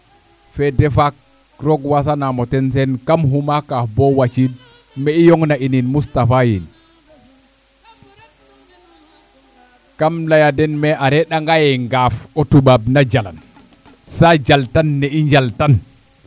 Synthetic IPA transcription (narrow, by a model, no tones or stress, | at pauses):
fɛdɛfak | ɾɔɡwasanamɔtɛns̬ɛnkamɦumakabɔwat͡ʃid | mɛijɔŋnaʔininmustafajḭn | kamlajadɛnmɛʔaɾɛɗaŋɡajɛŋɡafɔtubabnad͡ʒala̰n | sad͡ʒaltanːɛiɲd͡ʒaltan